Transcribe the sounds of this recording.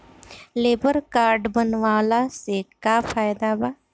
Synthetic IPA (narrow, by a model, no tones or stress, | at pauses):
leːbəɾkaːɾɖbənʋaːlasekaːfʰaːjd̪abaː